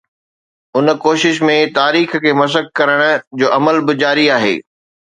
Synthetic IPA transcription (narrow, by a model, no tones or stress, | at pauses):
ʊnkoːʃɪʃmẽt̪aːɾiːxkʰeːmɐs̬ək̚kɐɾəɽ̃d͡ʑoːʔɐməlbɪd͡ʑaːɾiaːɦḛː